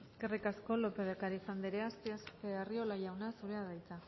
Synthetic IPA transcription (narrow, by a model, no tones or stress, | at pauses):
eskerikasko̞lo̞peðekaɾifand̪eɾeast̪easpeario̞laʝawnasuɾeaðajt͡sa